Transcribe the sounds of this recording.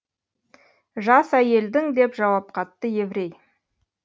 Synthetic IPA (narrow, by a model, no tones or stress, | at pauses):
ʒɑsæje̞ld̪ɪŋd̪e̞pʒɑwɑp̚qʰɑt̪ːəje̞vɪɾe̞j